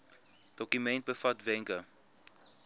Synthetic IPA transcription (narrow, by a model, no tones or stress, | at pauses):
d̥ɔkymɛnt̚bəfɐtvɛŋkə